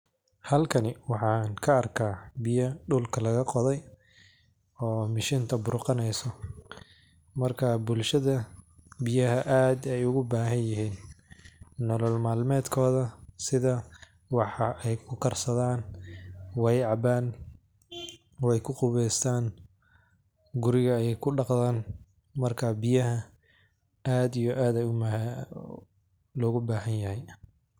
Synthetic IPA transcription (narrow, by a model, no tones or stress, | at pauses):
hɐlkʰɐnɪwɑħɑːŋkʰɐːrkʰaːbɪjɐɖʊlkʰɐlɐɣɐqɔðɛj | ɔːmɪʃiːnt̪ʰɐbʊɾqɑnɛjsɔ | mɐrkʰabʊlʃɐðɐbɪjɐɦɐʔaːd̪ɛjʊɣʊbaːɦɐnjɪɦiːnː | ɔlɔlmaːlmɛːd̪kʰɔːðɐsɪðɐ | wɑħɑɛjkʰʊkʰɐrsɐðaːn | wɛjʕɑbaːn | wɛjkʰʊqʊβɛjst̪ʰaːn | ɡʊɾɪɣɐɛjɛjkʰʊɖɑqðaːn | mɐrkʰabɪjɐɦɐ | aːd̪ijɔʔaːd̪ɛjʊm | lɔːɣʊbaːhɐnjɐhɛj